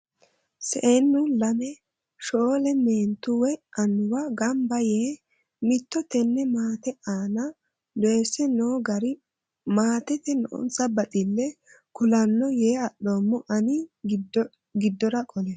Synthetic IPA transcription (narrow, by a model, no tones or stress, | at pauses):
sɛʔenːʊlɐmɛ | ʃoːlɛmeːnt̪ʊwɛʔɐnːʊwɐɡɐmbɐjeː | mɪt̪ːɔt̪ɛnːɛmaːt̪ɛʔaːnɐ | d̪ɛsɛnoːɡɐɾɪ | maːt̪ɛt̪ɛnɔʔɔ̰nt͡sɐbɐt̪ʼɪlːɛ | kʊlɐnːɔjeːɐɗoːmːʊʔɐnɪ | ɡɪd̪ːɔɾɐkʼɔlɛ